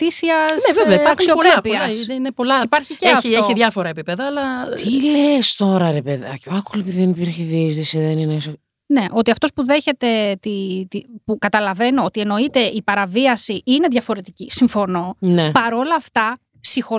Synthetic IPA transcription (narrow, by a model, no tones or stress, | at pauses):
t̪isiɐsneveveɐɐksiopepiɐsnepolɐipɐɾçieeɐfieoçiðʝɐfoɾɐepipeðɐːlɐt̪ilest̪o̞ɾɐɾepeðɐcɐkulepiðiðenipiɾçeðizðisiðenines | ne̞ʔo̞t̪iɐft̪o̞spuðe̞çe̞t̪e̞t̪it̪ipukɐt̪ɐlɐve̞no̞ot̪ie̞no̞it̪e̞ʔipɐɾɐviɐsiʔine̞ðʝɐfo̞ɾe̞t̪icisiɱfo̞no̞nepɐɾo̞lɐːft̪ɐ | psixo̞